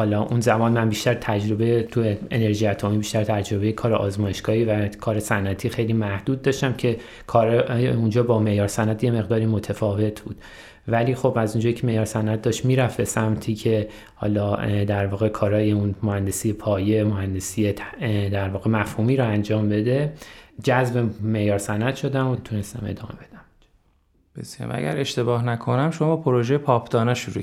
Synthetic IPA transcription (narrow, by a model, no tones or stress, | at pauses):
hɒːlɒːʔunzæmɒːnmænbiʃt̪æɾt̪ʰæd͡ʒɾo̞bejet̪ʰueene̞ɾʒijæt̪ʰomiːbiːʃt̪æɾt̪ʰæd͡ʒɾo̞be̞jekʰɒːɾeʔɒːzmɒːje̞ʃɡ̥ɒːhiːvækʰɒːɾesænʔæt̪ʰiːxe̞jliːmæhd̪̥uːd̪̚ːɒːʃt̪æmcʰe̞ | kʰɒːɾeund͡ʒɒːbɒːme̞jɒːɾsænʔæt̪ʰje̞me̞ɣd̪ɒːɾiːmot̪ʰefɒːve̞t̪ʰbṵːd̪̥ | væliːxo̞bæzund͡ʒɒːjecʰeme̞jɒːɾsænʔæt̪̚d̪ɒʃt̪miːɾæfbe̞sæmt̪ʰiːcʰe̞ | hɒ̰ːlɒːd̪æɾvɒːɣe̞kʰɒːɾɒːjeunmohænd̪e̞siːjepʰɒːjemohænd̪e̞siːjed̪æɾvɒːɣe̞mæfhuːmiːɾoænd͡ʒɒːmbe̞d̪e̞d͡ʒæzbemejɒːɾsænæt̪ʃo̞d̪æmot̪ʰune̞st̪æme̞̰d̪ɒːme̞be̞d̪æm | b̥esjɑ̰mæ̰ɟæ̰ɾeʃt̪e̞bɒːhnækʰonæmʃomɒbɒːpʰoɾoʒejepʰɒːpʰd̪̥ɒːneʃuɾu